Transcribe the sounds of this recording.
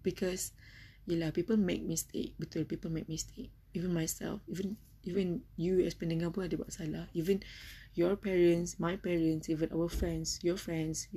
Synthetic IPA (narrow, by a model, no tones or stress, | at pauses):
b̥ikʰɔsjalapipəlmek̚mistʰḛk̚bit̪ʰipipəlmek̚mistʰek̚ | ivə̃nmajsɛ̰lfivə̃n | ivə̃njuɛspɛ̃ndĩŋapuadewa̰ʔsalaivə̃njɔpɛɹə̃nsmajpɛɹə̃nsivə̃nʔa̰wəfɹɛ̃nsjɔfɹɛ̃nds